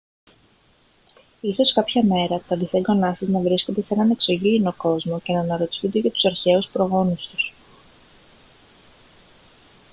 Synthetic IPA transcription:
iso̞skɐpçɐme̞ɾɐt̪ɐðiθeɡonɐst̪iznɐvɾiskod̪e̞senɐne̞kso̞ʝiːno̞ko̞zmo̞ce̞nɐːnɐɾo̞t̪i̥θund̪eʝɐt̪u̥sɐɾçe̞uspɾo̞ɣo̞nust̪u̥s

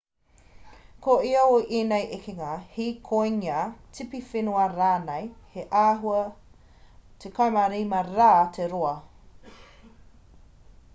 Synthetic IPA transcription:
kʰoʔiooʔeːnejʔekeŋahikʰojŋiat͡sʰipifinuɐɾaːnejheʔaːɦuɐ | tʰekʰɐjmaɾijmɐɾaːtʰeɾoɐ

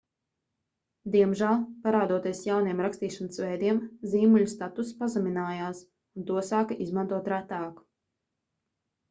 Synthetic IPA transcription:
d̪iɛmʒælˠpaɾaːd̪uɔt̪iɛsjawniɛmɾakst̪iːʃanəsvɛjd̪iɛmziːmuʎʲust̪at̪usi̥pazuminaːjaːs | unt̪uɔsaːkaʔizmãnt̪uɔt̪ɾat̪aːku̥

